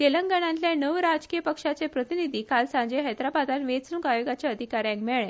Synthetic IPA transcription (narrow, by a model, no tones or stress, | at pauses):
t̪elə̃ŋɡəɽ̃ãnt̪ljanəʋɾad͡zkijəpəkʂat͡sepɾət̪inid̪ʱiːkalsãɲd͡ʑeɦəjt̪ɾabad̪anʋet͡suŋkajoɡat͡ɕaəd̪ʱikaɾjãŋkmɛɭɛ̃